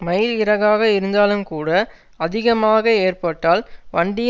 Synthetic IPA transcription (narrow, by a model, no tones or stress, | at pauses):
mɐjlɪɾɐɣaːɣɐɪɾɯnd̪aːlɯmkuːɽɐ | ɐðɪɣɐmaːɣɐeːrpɐʈːaːlʋɐɳɖɪj